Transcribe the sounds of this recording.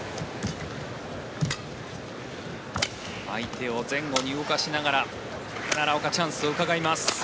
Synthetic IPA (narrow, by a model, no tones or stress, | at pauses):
a̰it̪ʰe̞o̞zẽ̞ŋɡo̞ɲ̟iɯokaɕinaɡaɾa | naɾaokat͡ɕãɰ̃sɨo̞ɯ̟kaɡaimasɨ̥